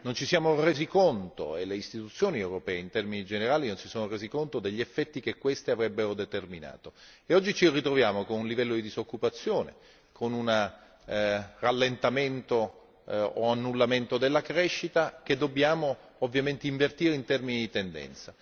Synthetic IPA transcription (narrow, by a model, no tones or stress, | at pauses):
nont͡ʃisjaːmoreːzikont̪o̰eleist̪it̪ut̪sːjoːniewɾopɛːint̪ɛrminid͡ʒeneɾaːlinont͡ʃisoːnoreːzikont̪od̪eʎːiefːɛt̪ːik̟ekːwest̪iavɾɛbːeɾod̪et̪ermina̰ːt̪o | eɔd͡ʒːit͡ʃirit̪ɾovjaːmokonunlivɛlːod̪id̪izokːupat̪sːjoːnḛ | kʰonuna | ralːent̪ament̪oː | anːulːament̪od̪elːakɾɛʃːit̪ak̟ed̪obːjaːmoː | vːjament̪eiɱvert̪iːɾeint̪ɛrminid̪it̪end̪ɛ̰nt̪sa